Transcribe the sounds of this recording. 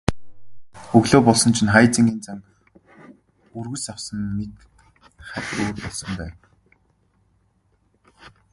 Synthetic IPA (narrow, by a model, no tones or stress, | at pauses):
ɵɣɮoːpɔɮsɞ̆nt͡ɕʰĭnχajt͡sĭŋɡʲiːnt͡saŋ | urɣɵ̆sawsɞ̆nmet̪ | χætʲoːrpɔɮsɞ̆mpæːwn